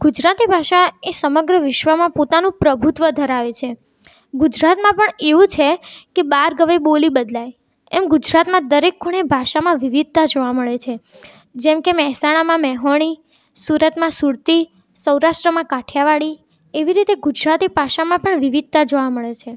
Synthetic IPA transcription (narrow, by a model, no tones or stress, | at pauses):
ɡ̥ud͡ʒɾat̪ibʱaʃaesəməɡɾəʋɪʃʋəmãpot̪anũpɾəbʱut̪ʋəd̪ʱəɾaʋet͡ʃʰe | ɡud͡ʒɾat̪mãpəɳeʋũt͡ʃʰekebaɾɡəʋebolibəd̪laj | ɛmɡud͡ʒɾat̪mãd̪əɾekːuɽ̃ebʱaʃamãʋiʋid̪̚t̪ad͡ʒoʋaməɭet͡ʃʰe | d͡ʒɛmkemɛɦsaɽ̃amãmɛɦoɳ̃i | suɾət̪mãsuɾt̪i | səwɾaʃʈɾəmãkaʈʰjaʋaɭi | eʋiɾit̪eɡud͡ʒɾat̪ibʱaʃamãpəɳʋiʋid̪̚t̪ad͡ʒoʋaməɭet͡ʃʰe